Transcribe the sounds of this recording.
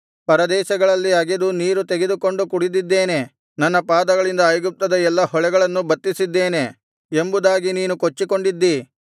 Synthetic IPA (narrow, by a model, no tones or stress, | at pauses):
pɐɾɐd̪ɛːʃɐɡɐɭɐlːiɐɡed̪uniːɾut̪e̞ɡed̪uko̞ɳɖukuɽid̪id̪ːe̞ːne̞ | nɐnːɐpaːd̪ɐɡɐɭind̪ɐːjɡup̚t̪ɐd̪ɐɛlːɐhɔɭɛɡɐɭɐnːubɐt̪ːisid̪ːe̞ːne̞ | embud̪aːɡiniːnukot͡ʃːiko̞ɳɖid̪ːi